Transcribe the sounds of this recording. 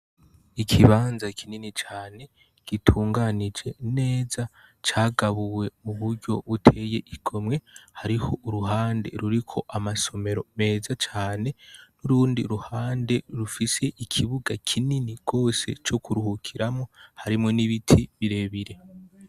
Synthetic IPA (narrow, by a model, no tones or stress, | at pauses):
ikʰiβaːnzakʰininit͡ʃaːne̞ | ɡ̥itʰuːŋɡanid͡ʒe̞ne̞ːza | t͡ʃaːɡaβuwe̞muβuɾɟo̞̰βutʰe̞je̞ʔiɡ̥o̞mŋe̞haɾiho̞ʔuɾuɦaːnde̞̰ɾuɾikʰo̞ʔamaso̞me̞ɾo̞me̞ːzat͡ʃaːne̞nuɾuːndiɾuhaːnde̞ɾufise̞ʔikʰiβuɡakʰininiɡ̥o̞ːse̞̰t͡ʃo̞kuɾuhukʰiɾamŋo̞haɾimŋo̞niβitʰiβiɾe̞βiɾe̞